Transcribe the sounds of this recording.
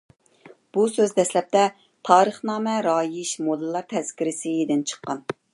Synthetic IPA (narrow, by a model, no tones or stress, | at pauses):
b̥usøzd̪ɛslɛp̚t̪ɛ | t̪ʰɑːɾəχnɑːmɛɾɑːjiʃmod̪ɨlˠːɑɾt̪ʰɛz̥kʲiɾɪsɪed̪ɪnt͡ʃʰə̥qːɑn